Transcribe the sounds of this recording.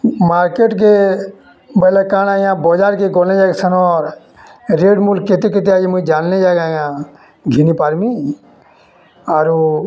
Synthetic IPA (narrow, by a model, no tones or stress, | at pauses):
maɾkeʈk̬e | bəlakanajãbɔd͡ʒaɾkeɡɔlnɛd͡ʒaksʰənɔɾ | ɾeɖmulket̪eket̪̬ead͡ʒimud͡ʒannɛd͡ʒaɡajã | ɡʱinipaɾmi | aɾu